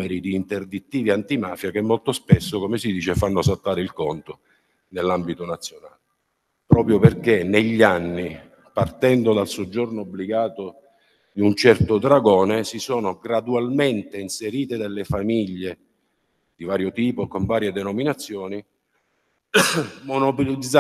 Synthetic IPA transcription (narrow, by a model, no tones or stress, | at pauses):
eɾid̪iːnt̪erd̪it̪ːiːviant̪imaːfjak̟emːolt̪ospesːokomesid̪iːt͡ʃefanːosalt̪ːaːɾeilkont̪o | nelːambit̪onat̪sːjonaːle | pɾɔːpɾjoperkeneʎːanːi | part̪ɛnd̪od̪alsod͡ʒːornoːbːliɡaːt̪o | d̪iunt͡ʃɛrt̪od̪ɾaɡɔːnesisɔːnoɡɾad̪ualment̪einseɾiːt̪ed̪alːefamiʎːe | d̪̥ivaːɾjot̪iːpokoɱvaːɾjed̪enominat̪sːjɔːni | monopolid̪z